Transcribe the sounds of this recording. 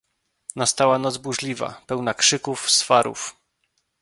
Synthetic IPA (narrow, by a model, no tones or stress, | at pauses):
nast̪awanɔt̪zbuʐlʲiva̰pɛwnakʂɘkufsfaɾṵf